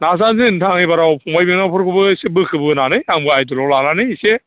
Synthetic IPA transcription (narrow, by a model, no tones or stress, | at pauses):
nasanzɯntʰaŋibaɾawpʰɔŋbajbiŋnawpʰɯɾkʰɯbɯsebɯkʰɯbɯnanɯjaŋbɯajdɯlɔwlananɯjse